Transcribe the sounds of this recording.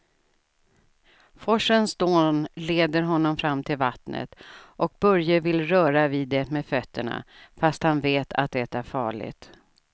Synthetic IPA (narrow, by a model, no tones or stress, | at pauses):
fɔʂənsd̪oːnleːd̪əɾɦɔnːɔmfɾamːt̪ʰɪlvat̪nə̰t̪ʔɔk̚bɵɾjəvɪlːɾœːɾaviːd̪ːɛmeːd̪fœt̪ʰːəɳa̰fast̪hanveːt̪ʰa̰t̪̚d̪ɛt̪æɾfɑːɭɪ̰ɡt̪